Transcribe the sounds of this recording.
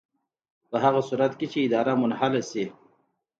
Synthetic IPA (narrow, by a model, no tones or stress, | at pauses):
pəɦaɣasuɾat̪ket͡ʃeɪd̪ɑɾamʊnhalasi